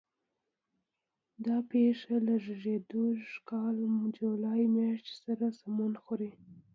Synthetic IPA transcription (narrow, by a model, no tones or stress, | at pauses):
d̪ɑpeʂalaʒɪʒed̪uʂkɑld͡ʒulɑjmjɑʂt̪saɾasamunxoɾi